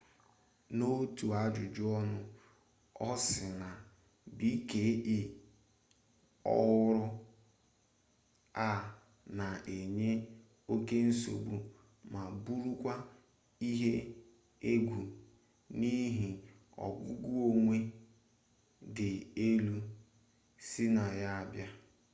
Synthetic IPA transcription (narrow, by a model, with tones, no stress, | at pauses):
no˦tu˨a˦d͡ʒʊ˨d͡ʒʊ˦ɔ˦nʊ˦ | ɔ˦sɪ˨na˨ | bi˦ke˨˦ʔɪ˦ | ɔ̰˦ɣʊ˦ɾʊ˦ | a˦˨ | na˨e˨ɲe˦ | o˦ke˦n̩˦so̰˨bu˨ | ma˨bu˦ɾu˦kʷa˦ | i˦ɦe˦ | e˦ɡʷu˨ | ni˦ɦi˨ | ɔ̰˨ɡʷʊ˦ɡu˦o˨ŋʷe˦ | dɪ˨e˦lu˦ | sɪ˦na˨ja˦a˨bja˦